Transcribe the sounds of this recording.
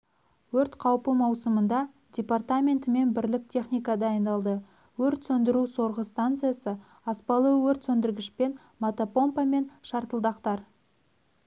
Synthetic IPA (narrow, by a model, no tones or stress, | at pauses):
wɵɾt̪qʰɑwpəmɑwsəmənd̪ɑ | d̪̥ʲe̞part̪amʲe̞nt̪ɪme̞nbɪɾlɪk̚tʲʰe̞χnʲijkɑd̪ɑːjnd̪ɑlˠd̪ə | wɵɾt̪sɵnd̪ɪɾuso̞ɾʁəst̪ant̪sɨjasə | ɑspɑlˠəwɵɾt̪sɵnd̪ɪɾɡʲɪʃpe̞n | mat̪opo̞mpɑme̞nʃɑɾt̪əlˠd̪ɑqt̪ɑɾ